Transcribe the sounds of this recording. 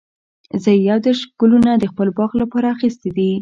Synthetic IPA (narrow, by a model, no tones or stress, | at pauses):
zəjawd̪eɾʃɡ̥ulunad̪əxpəlbɑɣlapɑɾaːxist̪id̪i